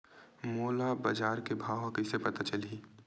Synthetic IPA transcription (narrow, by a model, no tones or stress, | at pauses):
moːlabɐd͡ʒaːɾkebʱaːwɐkɪsepɐt̪at͡ʃɐliː